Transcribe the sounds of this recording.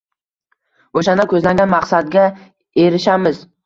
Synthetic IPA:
oʃanɪkʰʲɵzlaŋɡʲanmaqsad̪ɡʲa | e̞ɾɪʃamɪz

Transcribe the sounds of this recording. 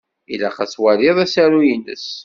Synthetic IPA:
ilæχæswæɾɪðˤæsæɾujinə̰s

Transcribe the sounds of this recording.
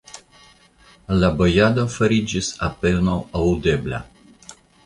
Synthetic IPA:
labojad̪ofaɾid͡ʒisapelnawawd̪eblʲa̰

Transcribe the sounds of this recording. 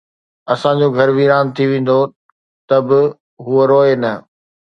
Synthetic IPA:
ɐsãɲd͡ʑoɡʱɐɾʋiːɾaːnt̪ʰiʋẽːn̆d̪o | t̪ɐbɪ | ɦuoɾoːenɐ

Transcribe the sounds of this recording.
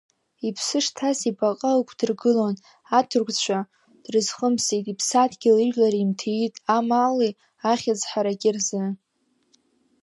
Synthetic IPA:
ipʰsɨʂtʰasibaqʼaɨkʷʰdɨrɡɨlon | atʰʊrɡʷʼt͡ɕʷʰa | d̥rɨzχəmsitʼipʰsadʰɡʲɪlɨʒlaɾiimtʰeitʼamaːle | aχʲad͡zħaɾaɡʲʼɪrzɨ

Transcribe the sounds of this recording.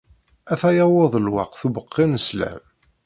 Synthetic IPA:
æθæjɑwoðˤəlwɑ̰qθubəqːinəslæ̰m

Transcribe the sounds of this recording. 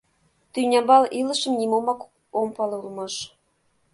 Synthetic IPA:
t̪ynʲɑbɑlilɤ̆ʃɤ̆mnʲimomɑk | ompɤlulmɤ̆ʃ

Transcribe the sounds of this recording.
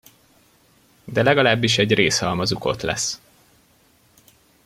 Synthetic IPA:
d̪ɛlɛɡɒlaːbːiʃɛɟreːshɒlmɒzuko̞̰t̪lɛ̰s

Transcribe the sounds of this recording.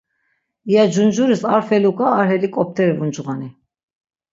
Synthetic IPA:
ijad͡ʒund͡ʒuɾisaɾfɛlukʼaːɾɦɛlikʼɔp̚ʰt̪ʰɛɾɛvund͡ʒuʁani

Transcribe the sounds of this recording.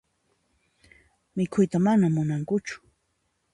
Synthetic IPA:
mɪkʰʊjt̪amanamʊnaŋkʊt͡ʃʊ̥

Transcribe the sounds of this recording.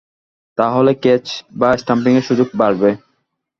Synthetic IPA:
t̪aɦoleket͡ɕbasʈamp̬iŋeɾʃud͡ʑoɡ̚baɾbe

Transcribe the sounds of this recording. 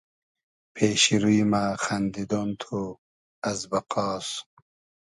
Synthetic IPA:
pʰeːɕiɾuimaxɐnd̪id̪ont̪ʰo | ɐzbɐqɑːs

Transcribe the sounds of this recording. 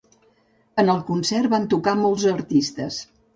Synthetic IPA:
ənəlˠkunsɛrβant̪ukamolˠzəɾt̪ist̪əs

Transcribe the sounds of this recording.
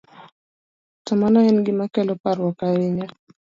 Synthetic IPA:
tamanaɛnɡimakɛlɔpaɾwakaiɲa

